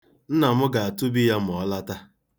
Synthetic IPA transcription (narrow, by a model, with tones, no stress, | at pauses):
n̩˦na˨mʊ˦ɡa˨a˨tu˦bi˦ja˦m̩˨ɔ˨˦la˦ta˦